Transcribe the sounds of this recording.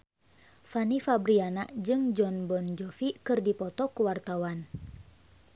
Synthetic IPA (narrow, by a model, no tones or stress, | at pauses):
fanifabɾiana̰ʔd͡ʒɨŋd͡ʒɔnbɔnd͡ʒɔfikɨrdipɔt̪ɔkuwart̪awan